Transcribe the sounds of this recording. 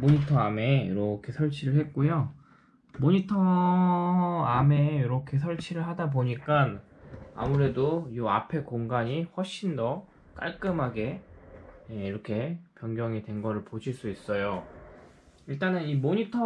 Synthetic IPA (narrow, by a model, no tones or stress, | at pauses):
moɲitʰʌame̞jḭɾʌkʰe̞sʰʌɭt͡ɕʰiɾɯɭhe̞t̚k͈ojo | moɲitʰʌ | ame̞jiɾʌkʰe̞sʰʌɭt͡ɕʰiɾɯɭɦadaboɲik͈an | a̰muɾe̞dojuapʰe̞koŋɡaɲiɸwʌɭɕ͈indʌ | k͈a̰ɭk͈ɯmɦaɡe̞ | eiɾʌkʰe̞pjʌŋɡjʌŋidwe̞nɡʌɾɯɭpoɕʰiɭs͈uis͈ʌjo | iɭt͈anɯnimoɲitʰʌ